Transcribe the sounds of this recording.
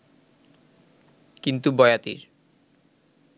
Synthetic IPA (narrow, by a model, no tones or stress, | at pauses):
kint̪ubɔeat̪ḭɾ